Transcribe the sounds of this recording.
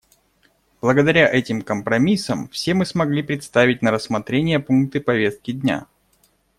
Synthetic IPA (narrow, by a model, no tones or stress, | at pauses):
b̥lˠəɡəd̪ɐɾʲaʔɛtʲɪmkəmpɾɐmʲisːəmfsʲe̞mɨsmɐɡlʲipɾʲɪt̪st̪avʲɪt̚ʲnəɾəsːmɐt̪ɾʲenʲɪjəpunk̚t̪ɨpɐvʲe̞st̪̚kʲɪdʲnʲa̰